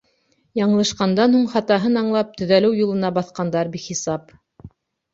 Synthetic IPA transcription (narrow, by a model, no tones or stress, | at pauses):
jɑɴɤ̆lˠɤ̆ʃqɑnd̪ɑnhuɴχɑt̪ɑɦɤnɑɴlˠɑp̚t̪ɵ̆ðælɘwjulˠɤ̆nɑbɑθqɑnd̪ɑɾbiχisɑp